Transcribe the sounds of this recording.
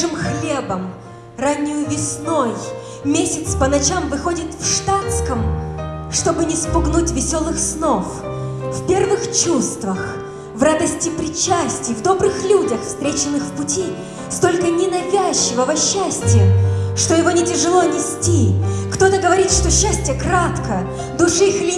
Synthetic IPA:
ɨmxlʲebəm | ranʲːɪjʊvʲɪsnoj | mʲesʲɪt̪spənɐt͡ɕamvɨxo̞dʲɪt̪fʂt̪at̪skəmʂt̪o̞bɨnʲɪspʊɡnutʲvʲɪsʲo̞lˠɨxsno̞f | fpʲe̞rvɨxt͡ɕust̪vəx | vrad̪əsʲtʲɪpɾʲɪt͡ɕːæsʲtʲɪjvd̪o̞bɾɨxlʲudʲəxfst̪ɾʲet͡ɕɪnːɨxfpʊtʲi | st̪o̞lʲkənʲɪnɐvʲæɕːɪvəvɐɕːæsʲtʲɪjəʂt̪ojɪvo̞nʲɪtʲɪʐɨlˠo̞nʲɪsʲtʲikt̪o̞t̪əɡəvɐɾʲit̪ʂt̪o̞ɕːæsʲtʲɪjəkɾat̪kə | d̪ʊʂɨxlʲi

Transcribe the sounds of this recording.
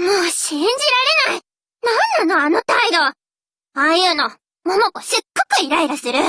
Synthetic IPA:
moːɕĩɲ̟d͡ʑiɾaɾe̞nai | nãnːano̞ano̞t̪aid̪o̞ | aːjɯːno̞ | monokoɕɨkːo̥kɯ̟iɾaiɾasɨɾɯ̟

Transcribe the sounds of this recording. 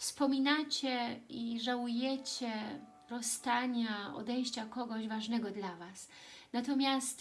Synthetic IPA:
fspɔmʲinat͡ɕɛiʐawujɛt͡ɕɛ | ɾɔst̪aɲaɔ̰d̪ɛj̃ɕt͡ɕakɔɡɔʑvaʐnɛɡɔd̪lavas | nat̪ɔmʲjast̪

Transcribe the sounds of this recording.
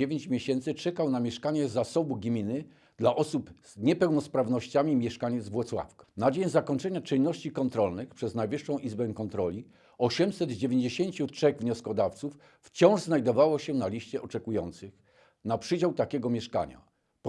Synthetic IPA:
evʲeɲt͡ɕmʲeɕɛnt̪sɘt͡ʂɛkawnamʲjɛʂkaɲɛzasɔbuɡmʲinɘ | d̪laʔɔsupz̥ɲɛpɛwnɔspɾavnɔɕt͡ɕamʲimʲjɛʂkaɲɛd̪zvwɔt̪swa̰fkḁnad͡ʑeɲzakɔɲt͡ʂɛɲat͡ʂɘnːɔɕt͡ɕikɔnt̪ɾɔlnɘxpʂɛznajvɘʂːɔ̃w̃ʔizbɛkɔnt̪ɾɔlʲi | ɔɕɛmsɛd̪d͡ʑevʲjeɲd͡ʑeɕeɲt͡ɕutʂɛɣvɲɔskɔd̪aft̪suf | ft͡ɕɔ̃w̃ʐznajd̪ɔvawɔɕɛnalʲiɕt͡ɕɛʔɔt͡ʂɛkujɔnt̪sɘx | napʂɘd͡ʑawt̪akʲɛɡɔmʲjɛʂka̰ɲa̰ | p

